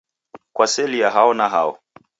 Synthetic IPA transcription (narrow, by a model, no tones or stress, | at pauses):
kwasɛlijaɦaɔnaɦaɔ̰